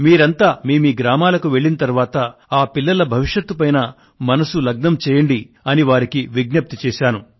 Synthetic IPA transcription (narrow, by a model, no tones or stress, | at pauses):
miːɾɐnt̪aːmiːmiːɡɾaːmaːlɐkuʋe̞ɭːinɐt̪ɐɾʋaːt̪ɐaːpilːɐlɐbʱɐʋiʂjɐt̪ːupɐjnɐ | mɐnɐsulɐɡ̚nɐmt͡ʃɛːjɐɳɖi | ɐniʋaːɾikiʋiɡnɐp̚t̪ut͡ʃɛːʃaːnu